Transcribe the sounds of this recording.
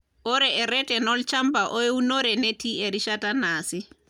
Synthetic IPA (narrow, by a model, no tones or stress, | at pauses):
ʔɔɾɛɛɾɛtɛnɔlt͡ʃambaʔɔjwunɔɾɛnɛtiɛɾiʃatanasi